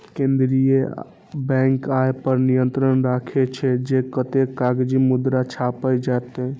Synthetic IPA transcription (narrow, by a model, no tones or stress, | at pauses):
kẽnd̪ɾije | bɛ̃ŋkajpəɾnijənt̪ɾənɾakʰet͡ʃʰɛd͡ʒekət̪ekaɡd͡ʒimud̪ɾat͡ʃʰapəd͡ʒat̪e